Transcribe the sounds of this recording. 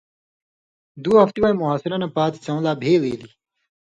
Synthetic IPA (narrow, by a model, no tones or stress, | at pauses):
d̪uːɦɐft̪iwaĩmuɦaːsiɾɐnɐpaːt̪i̥t͡sɐ̃ũlaːbʱeːlḛːli